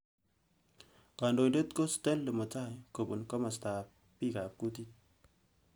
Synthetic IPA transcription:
ka˨ndo˨jde˦tko˦ste˦llə˨mo˨t͡ʃa˦˨jko˨bu˨nkɔ˦ma˨sta˨p̚ | pi˦˨ka˨p̚ku˦ti˦t̚

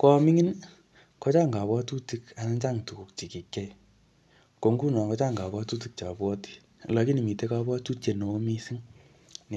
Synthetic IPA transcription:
kɔ˧mi˦ŋi˦n | kɔ˦t͡ʃa˦ŋɡa˨βwɔ˦tu˦ti˧ka˨na˦t͡ʃa˦ŋtu˨ku˨k̚t͡ʃi˨ki˨kɛ˦j | ko˨˧ŋɡu˦nɔ˨kɔ˧t͡ʃa˦ŋɡa˨bɔ˦tu˦t̬i˦k̚t͡ʃa˨bwɔ˦ti̥˦˨ | lɔ˨˧ki˦ni˨mi˨te˦ka˧bwɔ˦tu˦t͡ʃe˨no˨o˦mi˦si˦ŋ | n˨

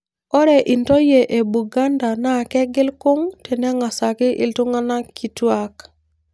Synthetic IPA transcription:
ɔ˦ɾɛ˨ʔi˨nto˦je˨ʔe˨bu˨ɡa˦nda˨na˦˨kɛ˦ɡɪ˦lkʊ˦ŋtɛ˨nɛ˦ŋa˨sa˨kɪ˦ʔɪ̰˨ltu˦ŋa˦na˦ki˨twa˦k

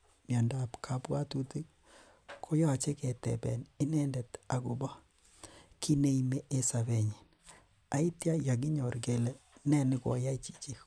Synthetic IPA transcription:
mja˨nda˦pkʰa˦pwa˦tu˦ti˦ | kʰo˦jɔ˦a˨t͡ʃe˦kɛ˨tɛ̰˨bɛ̰˨nɪ˦nɛ˦ndɛ˨ta˨ku˨ba˦ | kʰi˦ne˦ime˦ʔe˦sa˨βe˨ɲi˨n | a˨i˦tja˦ja˨ɡ̬ɪ˦ɲɔ˨rɡe˦lɛ˦nɛ˦˨nɪ˦kɔ̰˨ja˦i˦t͡ʃi̥˨t͡ʃe˦

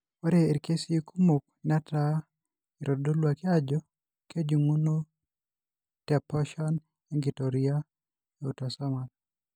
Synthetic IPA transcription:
ɔ˦ɾee˨ɾke˦si˦ku˦mu˨k̚na˦ta | i˨ɾʔɔ˨do˦lwakɪ˦ad͡ʒɔ˦ | ke˦d͡ʒu˨ŋu˦no˦ | tɛ˨pɔ˦ʃɔn | ɛ˦ŋɡi˨tɔɾia | ɛ˨u˨tasa˦ma˨l

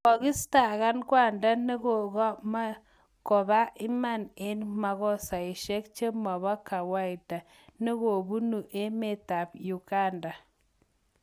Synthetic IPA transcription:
ɔ˨ɡɪ˦sta˨ɣa˦nkwa˦˨nda˦ne˦ɣɔ˨ɣɔ˦ma˦ | kɔ˨ba˦ɪ˦ma˦˨ne˦nma˨ɣɔ˦sa˨i˨ʃe˦kt͡ʃe˦ma˨βa˦ka˨wa˦i˨da˨ | ne˦ɣo˨bu˦nu˨ʔe˦me˦˨ta˨bju˨ka˦˨nda˨

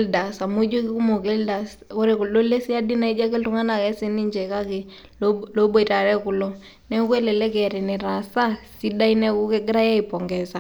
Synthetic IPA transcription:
lda˨sa˨mo˦d͡ʒo˦kɪ˦ku˦mo˨kɛ˦lda˨s | kɔ˦ɾɛ˨ku˨lo˦le˦si˦a˦di˦na˨i˦d͡ʒa˦kɛ˦ltu˦ŋa˦na˨kɛ˦sɪ˦ni˦ɲd͡ʒɛ˨ka˦kɪ˨ | lo˦bo˦˨i˨ta˨ɾɛ˦kʊ˨lɔ˦ | nɛ˦ku˦ɛ˦lɛ˨lɛ˦kɛ˨ɾɛ˨nɛ˨ɾa˨sa˦si˦da˦i˦nɛ˦ku˦kɛ˦ɡɪ˦ɾa˦ja˦ipɔ˨ŋɡɛsa˦˨

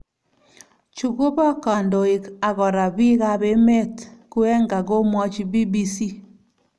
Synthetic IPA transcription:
t͡ʃu˨ɣo˦βɔ˦ka˨ndo˨i˨ka˨ɣɔ˨ɾa˨βi˦ɣa˦βe˦me˦tku˦ɛ˦ŋɡa˨ɣo˦mɔ˦t͡ʃi˦bi˦bi˦si˦

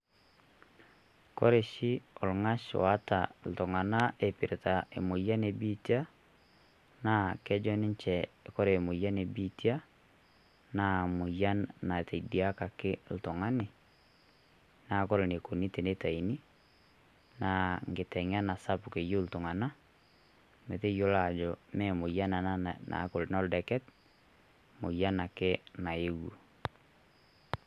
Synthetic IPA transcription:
kɔ̰˦ɾe˨ʃi˦ɔ˨lŋa˦ʃa˦ta̰˨ltɔ˨ŋa˨na˦e˨pi˨ɾe˨ta˨ḛ˨mo˨ja˦ne˨bi˦tja˦ | na˦kɛ˦d͡ʒɔ˦nɪ˦ɲt͡ʃɛ˨kɔ˦ɾe˨mo˨ja˦ne˨bi˦tja˦ | na˨mu˨ja˦nna˨te˨idi˨a˦ka˨kɪ˦l̩˨tɔ˨ŋa˦ne˨ | na˨kɔ˦ɾne˨ko˨ni˦te˨ne˦ta˨i˨ni˦ | na˨ŋɡɪ˨tɛ˨ŋ˦a˦na˨sa˦pu˨ke˨jo˦ltʊ˨ŋa˨na˦ | me˨te˦jo˦la˨d͡ʒɔ˨mɛ˨mʊ˨ja˦na˨na˦na̰˨˦ko˨lnɔ˦ldɛ˨kɛ˦t | mʊ˨ja˦na˨kɪ˦na˨e˦wo˨

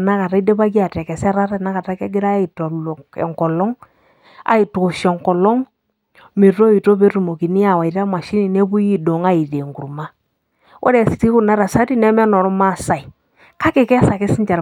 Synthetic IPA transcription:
na˦ka˨ta˦i˦de˦ba˦k̬i˦a˨tɛ˨kɛ˨sɛ˦ɾa˦ɾa˦na˦ka˨ta˦ka˦ɡɪ˦ɾa˦i˨tɔ˨lɛ̰˨ŋkɔ˨lɔ˦ŋ | a̰˨i˨tu˨kʊ˨ʃɔ˨ŋkɔ˨lɔ˦ŋ | mi˨ɾo˦i˨to˦be˦ɾu˨mo˨ki˨ni˦a˨wa˨ɾa˦ma˨ʃi˦ni˨ne˦bu˦ji˦do˨ŋa˦i˨de˨ŋɡu˨ɾma˦ | wɔ̰˦ɾe˦˨si̥˨ti˦ku˨na˦ɾa˨sa˦ti˦nɛ˦mɛ˦nɔ˨ɾɔ˦ma˦˨sa˨i˨ | ka˦ke˨kɛ˦sa˨kɪ˦sɪ˦ɲt͡ʃa˨ɾ

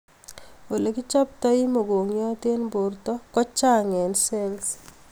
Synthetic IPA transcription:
o˨le˨kɪ˦t͡ʃa˦p̚ta˦i˦mo˨ɡo˨ŋjɔ˦te˦nbo˨rtɔ˦kɔ˦t͡ʃa˦ŋɛ˨nse˦ls

